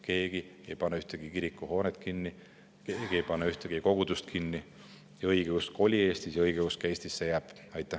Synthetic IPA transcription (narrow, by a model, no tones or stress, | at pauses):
ke̞ːɡ̥iejpɑnːeyht̪eɡ̥ikiɾikːˑuho̞ːnet̪kinːi | keːɡ̥iejpɑnːeyht̪eɡ̥iko̞ɡ̥ud̪̥ust̪kʰinːi | jɑɤjɡ̥ekusko̞lʲie̞ːst̪isjɑɤjɡ̥ekuskæjst̪isːejæːb̥ɑjt̪ːˑæ